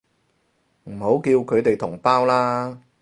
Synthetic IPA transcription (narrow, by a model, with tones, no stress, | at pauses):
m̩˨˩ho˨˥wkiː˧wkʰɵ˨˧t̪e˨jt̪ʰʊ˨˩ŋpaː˥wlaː˥